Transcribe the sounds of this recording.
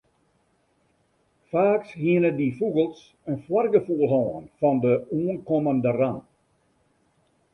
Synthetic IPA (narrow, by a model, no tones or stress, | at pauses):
faːkshiənədifuɣəlˠs | ənfwarɡəfuəlˠɦɔːənfɔndəuːənkɔməndəran